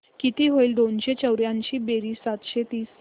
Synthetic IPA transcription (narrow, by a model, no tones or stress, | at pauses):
kit̪iːɦoiːld̪onɕet͡ɕəwɾjãɲt͡ɕiːbeɾiːsat̪ɕet̪iːs